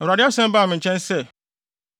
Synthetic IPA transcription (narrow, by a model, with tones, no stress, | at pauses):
ɾa˨dɪ˦a˦sɛ̃˦m˦ba˦˨mɪ̃˨ɲ̩˨t͡ɕʰɛ̃˦nsɛ˦˨